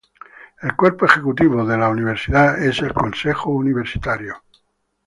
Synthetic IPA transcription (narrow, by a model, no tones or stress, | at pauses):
elkweɾpoexekut̪iβ̞oðelauniβ̞eɾsiðaeselkonsexouniβ̞eɾsi̥t̪aɾjo